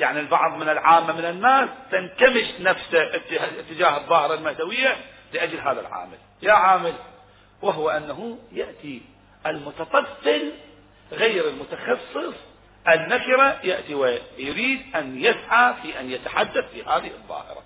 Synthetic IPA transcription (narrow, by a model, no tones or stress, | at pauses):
jaʕnilbɑ̰ʕðˤmɪnɪlʕaːmːamɪnɪnːaːst̪ɪnkamɪʃnafsaʔt̪ːɪt̪ːɪd͡ʒaːhɨðˤːɑːhɪɾˤɑlmahd̪awɪjːa | lɪʔad͡ʒlɦaːða̰lʕa̰ːmɪl | jaʕaːmɪl | waɦwaʔanːaɦujaʔt̪i | ʔɪlmʊt̪ɑt̪ˤɑfːɪl | ɣejɾɪlmʊt̪axɑsˤːɨsˤ | ʔɪnːakɪɾajaʔt̪iwajʊɾiːd̪ʔanjɪsʕafiːʔanjat̪aħad̪ːaθfiːhaːðɪhɨðˤːɑ̰ːhɪ̰ɾˤɑ̰